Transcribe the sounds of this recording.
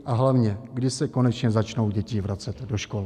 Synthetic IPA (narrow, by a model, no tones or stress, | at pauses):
ʔaɦlavɲɛɡdɪsɛko̞nɛt͡ʃɲɛzat͡ʃno̞wɟɛcivɾat͡sɛt̪do̞ʃko̞l